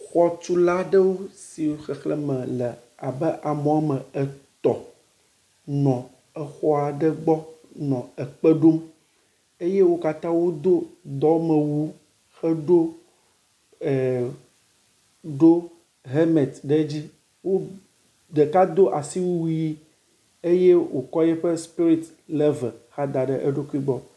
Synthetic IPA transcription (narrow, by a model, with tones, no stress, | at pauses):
xɔ˦t͡ʃu˦la˦ɖə˦wo˦si˨wo˦xɛ˨xlɛ˦mɛ̃˨lɛ˨ | a˨bɛ˦ʔa˨mɔ̃˨a˦mə̃˨ɛ˨t̪ɔ˨ | nɔ̃˨ | ɛ˨xɔ˦a˨ɖɛ˦ɡ͡bɔ˦ | nɔ̃˨ɛ˨k͡pɛ˦ɖo˦m | e˦je˦wo˦ka˦t̪ã˦wo˦d̪o˦d̪ɔ˦mə̃˨wu˦ | xɛ˦ɖo˦ | ɛ˨ | ɖo˦ | ɦɛ˦mɛ˨t̪ɖɛ˦d͡ʑi˦ | wo˦ | d̪e˨ka˦d̪o˦ʔa˨si˦wu˦wu˦ji˦ | e˦je˦wo˨kɔ˦jɛ˦ɸɛ˦spi˦ɾi˦t̪ | lɛ˦vɛ˨xa˦d̪a˨ɖɛ˦ʔe˦ɖo˦ku˦i˦ɡ͡bɔ˦